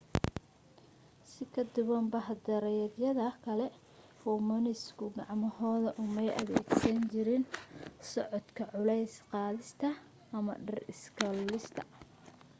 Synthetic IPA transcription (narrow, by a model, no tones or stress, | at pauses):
sɪkʰɐd̪ʊβɐmbɐhd̪ɐɾɛjðjɐðɐkʰɐlɛ | ɔːmɔnɪskʰʊɡɑʕmɐhɔːðɐʔʊmɛjʔɐ̰βɛːɡsɐnt͡ʃɪɾɪnsɔʕɔd̪kʰɐʕʊlɛjsqɑːðɪst̪ʰɐ | ɐmɐ̰ɖɐrɪskʰɐllɪst̪ʰɐ̥